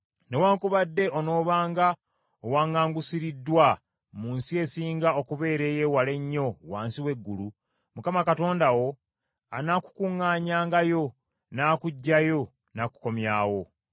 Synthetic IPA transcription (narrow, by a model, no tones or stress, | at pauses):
newaːŋkuβadːe̞ʔono̞ːβaːŋɡa | owaːŋaːŋɡusiɾidːwa | muːnsie̞siːŋɡao̞kuβe̞ːɾe̞jewale̞ɲːo̞waːnsiwe̞ɡːulu | mukamakato̞ːndawo̞ | a̰naːku̥kuŋːaːɲaːŋɡajo̞ | naːkuɟːajo̞ | naːku̥ko̞mjaːwo̞